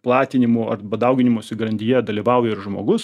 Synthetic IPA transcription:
plˠɑːt̪ʲɪnʲɪmʊɐrbɐd̪ɐʊɡʲɪnʲɪmoːsʲɪɡɐɾɐnʲt̪ʲijɛd̪ɐlʲiːʋɐʊjɛɪɾʒmoːɡʊs

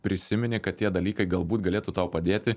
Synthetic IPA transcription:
pʲɾʲɪsʲɪmʲɪnʲɪkɐt̪̚ʲtʲiɛd̪ɐlʲiːkɐɪɡɐlˠbuːt̪ɡɐlʲeːt̪ut̪ɐʊpɐd̪ʲeːt̪ʲɪ

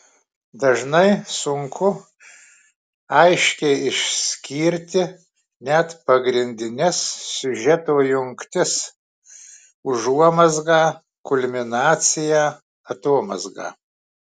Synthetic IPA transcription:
d̪ɐʒnɐɪsʊŋkʰʊ | ɐɪʃʲkʲɛɪɪʃʲsʲkʲiːɾʲt̪ʲɪ | nʲɛt̪pɐɡɾʲɪnʲd̪ʲɪnʲɛssʲʊʒʲɛt̪oːjʊŋkt̪ʲɪs | ʊʒuɔmɐzɡɑː | kʊlʲmʲɪnɑːt̪sʲɪjæː | ɐt̪oːɔmɐ̰zɡɑ̰ː

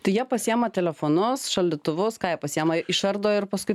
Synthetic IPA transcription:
t̪ɐɪjiɛpɐsʲiɛmɐt̪ʲɛlʲɛfoːnʊsʃɐlʲd̪ʲɪt̪ʊʋʊskɑːjiɛpɐsʲiɛmɐʔɪʃɐɾd̪oːɪrpɐskʊɪ

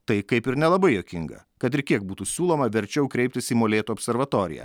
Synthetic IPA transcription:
t̪ɐɪkɐɪpɪɾnʲɛlˠɐbɐɪjoːkʲɪŋɡɐ̰ | kɐt̪ɪɾkʲiɛk̚buːt̪uːsʲuːlˠoːmɐʋʲɛɾʲt͡ʃʲɛʊkɾʲɛɪp̚ʲt̪ʲɪsiːmoːlʲeːt̪uɔːpʲsʲɛɾʋɐt̪oːɾʲɪ̰jɛ̰

